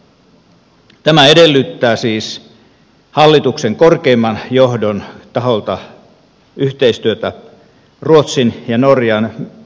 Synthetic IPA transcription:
t̪æmæedelːyt̪ːæːsiːs | hɑlːit̪ukseŋkorkeːmːɑnjohdont̪ɑholt̪ɑ | ʔyht̪eist̪yøt̪æ | ruot̪sinjɑnorjɑn

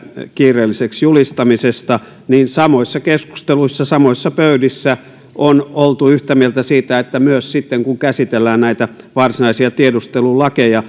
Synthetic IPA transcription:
kiːrˑeːlːiseksjulist̪ɑmisest̪ɑ | niːnsɑmoisːɑkesku̥st̪eluisːɑsɑmoisːɑpøydisːæ | ʔonolt̪uyht̪æmielt̪æsiːt̪æet̪ːæmyøssit̪ːeŋkuŋkæsit̪elːæːnnæit̪æ | ʋɑrsinɑisiɑt̪iedust̪elulɑkejɑ

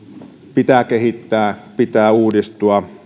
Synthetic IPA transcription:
pit̪ækehit̪ːæːpit̪æːuːdist̪uɑ

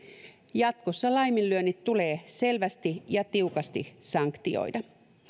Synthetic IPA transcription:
jɑt̪kosːɑlɑjminlyønːit̪tule̞ːse̞lʋæst̪ijɑt̪iukɑst̪ḭsɑŋkt̪io̰idɑ

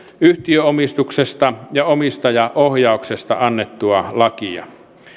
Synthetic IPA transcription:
yht̪iøomist̪uksest̪ɑjɑomist̪ɑjɑʔohjɑˑoksest̪ɑ̰ɑnːet̪ːuɑlɑkiɑ̰

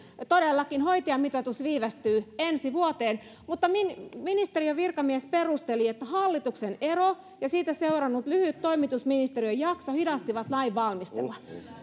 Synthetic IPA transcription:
t̪odelːɑkinhoit̪iɑmit̪ot̪usʋiːʋæst̪yːensiʋuot̪eːn | mut̪ːɑminminist̪eriøʋirkɑmiesperust̪eliet̪ːæhɑlːit̪uksenero | jɑsiːt̪æseurɑnːut̪lyhyt̪toimit̪usminist̪eriøjɑksohidɑst̪iʋɑt̪lɑiʋʋɑlmist̪ḛlːɑ

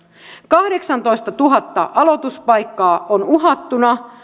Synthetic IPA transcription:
kɑhde̞ksɑnt̪o̞jst̪ɑt̪uɦɑt̪ːɑ̰ʔɑlo̞t̪uspɑjkːɑːʔonuɦɑt̪ːunɑ

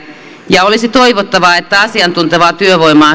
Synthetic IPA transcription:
jɑolisit̪oiʋot̪ːɑʋɑet̪ːæɑsiɑnt̪unt̪eʋɑːt̪yøʋoimɑː

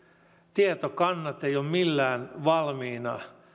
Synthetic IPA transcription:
t̪iet̪okɑnːɑt̪ejoːmmilːæːnʋɑlmiːnɑ

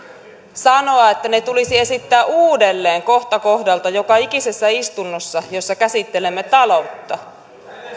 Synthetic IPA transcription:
sɑno̞ɑe̞t̪ːænet̪ulisie̞sit̪ːæːʔuːde̞lːe̞ːŋko̞ht̪ɑko̞hdɑlt̪ɑjo̞kɑikise̞sːæist̪unːosːɑjo̞sːɑkæsit̪ːe̞le̞mːet̪ɑlo̞t̪ːɑ

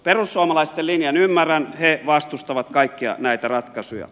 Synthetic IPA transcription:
perusːuɑmɑlɑist̪elinjɑnymːærænheʋɑst̪ust̪ɑʋɑt̪kɑikːiɑ̰næit̪ærɑt̪kɑsujɑ̰

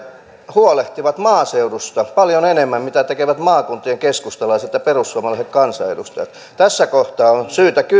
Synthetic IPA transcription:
huoleht̪iʋɑt̪mɑːseurust̪ɑpɑljonenemːæmmit̪æt̪ekeʋæt̪mɑːkunt̪ˑieŋkeskust̪ɑlɑiset̪jɑperusːuomɑlɑˑisekkɑnsɑḛdust̪ɑjɑ̰t̪ | t̪æsːækoht̪ɑːonsyːt̪æky

